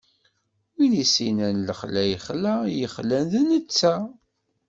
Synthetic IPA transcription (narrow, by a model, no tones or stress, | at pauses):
winisinænləχlæjχlæjəχlænðnət͡sːæ